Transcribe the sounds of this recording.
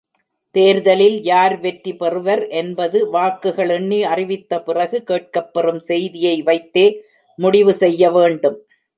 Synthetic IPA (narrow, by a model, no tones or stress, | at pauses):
t̪eːɾðɐlɪljaːɾʋɛʈɾipɛrɯʋɐɾʔɛnbɐðɯʋaːkːɯɣɐɭɛɳːiɐrɪʋɪt̪ːɐpɪrɐɣɯkeːʈ̚kɐpːɛrɯmsɛjðɪjɐɪʋɐɪt̪ːeː | mʊɽɪʋɯsɛjːɐʋeːɳɖɯm